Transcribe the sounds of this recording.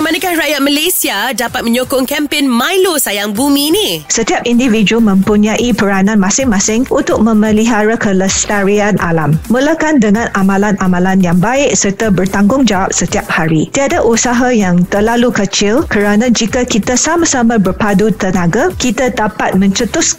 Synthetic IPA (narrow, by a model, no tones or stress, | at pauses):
manakahrajat̪̚malesiadapat̪̚mə̃ɲokʊŋkɛmpenmajlosajaŋbumĩnisət̪iap̚individ͡ʒumə̃mpuɲãʔipəɾanãnmãsɪŋmãsɪŋʔunt̪ʊk̚mə̃məliɦaɾakələst̪aɾianʔa̰lamːulakandəŋãnamãlanamãlanjaŋbaɪʔsərt̪abərt̪aŋɡʊŋd͡ʒawap̚sət̪iap̚haɾit̪iadaʔusaɦajaŋt̪ərlalukət͡ʃɪlkəɾanãd͡ʒikakit̪asamãsamãbərpadut̪ənãɡakit̪adapat̪̚mə̃ɲt͡ʃət̪ʊs